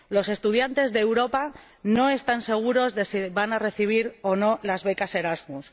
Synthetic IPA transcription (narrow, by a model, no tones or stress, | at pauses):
lo̞se̞st̪uðjant̪e̞zðeːwɾo̞pa | no̞e̞st̪anse̞ɣ̞uɾo̞zðe̞siβanare̞θiβ̞iɾono̞lazβe̞kase̞ɾazmus